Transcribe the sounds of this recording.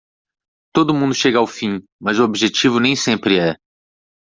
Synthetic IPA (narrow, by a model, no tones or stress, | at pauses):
t̪od̪ʊmũd̪ʊʃeɡɐawfĩmɐzʊobiʒet͡ʃivʊnẽj̃sẽmpɾɪɛ